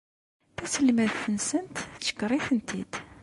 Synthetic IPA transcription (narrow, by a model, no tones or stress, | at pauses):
θæsəlːmæðθənsənt̪t͡sːə̥kːɾˤiθənt̪id̪̥